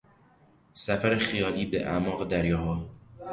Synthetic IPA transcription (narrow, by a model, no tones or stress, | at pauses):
sæfæɾexijɒːliːbeʔæ̰mɒːɣed̪æɾjɒːɦɒː